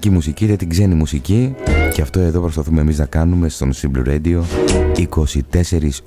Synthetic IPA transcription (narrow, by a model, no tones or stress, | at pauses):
cimusicit̪et̪iɡze̞nimusicice̞ɐft̪o̞e̞ðo̞pɾo̞spɐθume̞miznɐkɐnume̞st̪o̞nsimblo̰ɾed̪io̞iko̞sit̪e̞se̞ɾis